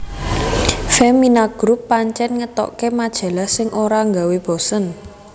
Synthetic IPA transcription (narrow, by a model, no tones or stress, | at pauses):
fɛminaɡ̥ɾupːaɲt͡ʃɛnŋət̪ɔ̰kemad̥ʒ̥ä̤lahsɪŋʔoɾaŋɡaweb̥ɔsən